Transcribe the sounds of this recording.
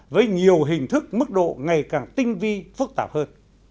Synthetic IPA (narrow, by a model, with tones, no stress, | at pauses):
vəː˨˦jɲi˨˩əwɦï˨˩ŋ̟t̪ʰɨ˦˥k̚mɨ˦˥k̚ɗo̰˧˨ŋa˨˩jkaː˨˩ŋt̪ï˧ŋ̟vi˧fɨ˦˥k̚t̪aː˧˩p̚həː˧n